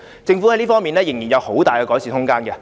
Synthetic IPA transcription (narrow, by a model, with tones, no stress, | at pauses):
t͡sɪ˧ŋfu˨˥hɐ˦jliː˥fɔː˥ŋmiː˨nlɛː˥jɪ˨˩ŋjiː˨˩njɐ˨˧who˨˥wt̪aː˨jkɛ˧kɔː˨˥jsiː˨˩ʊ˥ŋkaː˥nɡɛ˧